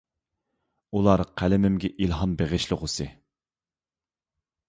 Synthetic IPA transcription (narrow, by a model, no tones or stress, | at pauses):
ulˠɑɾqʰælɪmɪmɡʲɛʔilɦɑnbeʁɪʃlɪʁʊsɨ